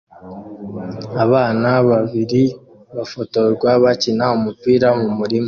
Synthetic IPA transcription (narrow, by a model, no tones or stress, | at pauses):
aβaːnaβaβiɾi | βafo̞to̞ɾɡwaβacinaumupiːɾamumuɾimo